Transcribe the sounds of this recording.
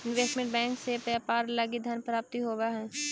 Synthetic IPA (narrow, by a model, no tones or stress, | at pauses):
ɪ̃nʋeːsʈmẽɳʈ̚bɛ̃ːŋksepɛpaːɾlaɡid̪ʱanpɾaːp̚t̪iɦoːbeɦɛ̃ː